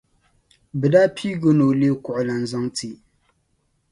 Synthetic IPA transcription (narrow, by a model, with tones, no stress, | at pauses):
bɨ˨da˦pʰi˦ɡo˦no˨le˦kʊ˨ʔʊ˨la˨n̩˨zɔ˦ŋti˨